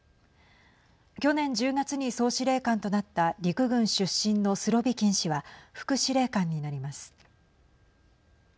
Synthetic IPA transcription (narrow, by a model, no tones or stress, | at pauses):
kʲo̞nẽ̞ɲ̟d͡ʑɨːɡat͡sɨɲ̟iso̞ːɕiɾe̞ːkãnt̪o̞nat̪ːaɾʲikɯ̟ɡɯ̟̃ɰ̃ɕɨɕːĩnːo̞sɨɾo̞bʲikʲĩɰ̃ɕiβaɸɯ̟̥kɯ̟ɕiɾe̞ːkãɲ̟ːinaɾʲimasɨ̥